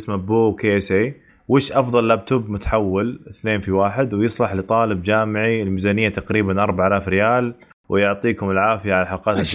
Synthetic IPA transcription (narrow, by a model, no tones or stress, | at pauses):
smaboːwkeʔsʔeː | wɪːʃʔɑfðˤɑlːab̚t̪ʊbmʊt̪ḁħawːɪlɪθneːnfiwaːħɪd̪wjɨsˤlɑħlɪt̪ˤɑːlɪbd͡ʒaːmɪʕiɪlmizaːnɪjːat̪aqɾiːbanʔɑɾˤbaʕʔalaːfɾɪjaːl | wɪjʊʕt̪ˤiːkʊmɪlʕaːfɪjaʕalaħaqɑːt̪ɪ